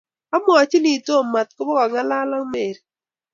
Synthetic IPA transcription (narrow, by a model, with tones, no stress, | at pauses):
a˦mɔ˨a˨t͡ʃi˦li˨to˦˨ma˨t̪̚kɔ˦bɔ˦ka˨ŋa˦la˦la˦ŋme˨ɾ